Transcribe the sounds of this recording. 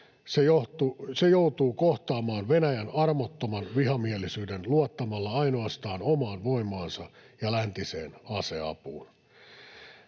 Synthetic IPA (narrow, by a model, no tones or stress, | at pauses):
sejoht̪usejout̪uːkoht̪ɑːmɑːnʋenæjænɑrmot̪ːomɑnʋiɦɑmielisyːdenluɑt̪ːɑmɑlːɑɑinoɑst̪ɑːnomɑːnʋoimˑɑːnsɑ | jɑlænt̪isḛːnɑseɑ̰pṵːn